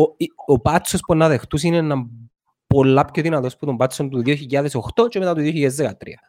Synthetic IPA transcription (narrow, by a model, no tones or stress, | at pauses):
oiopɐt͡sːospunːɐðe̞xt̪us̬inenɐm | polːɐpçoðinɐt̪o̞sput̪ombɐt͡sːont̪uðioçiʎːaðesoxt̪o̞t͡ʃemet̪at̪uðioçiʎːaðezðekaɐt̪ɾḭɐ